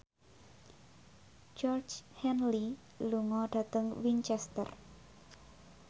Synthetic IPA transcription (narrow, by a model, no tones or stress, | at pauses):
d͡ʒɔrt͡ʃhɛnli | luŋɔɖ̥a̤t̪əŋwint͡ʃɛst̪ə̰r